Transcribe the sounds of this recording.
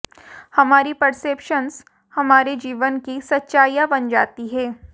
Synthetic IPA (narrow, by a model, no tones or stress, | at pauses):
hɐmaːɾipɐɾseːpʃəns | hɐmaːɾed͡ʒiːʋənkisɐtːʃaːjabɐnd͡ʒaːt̪iɦɛː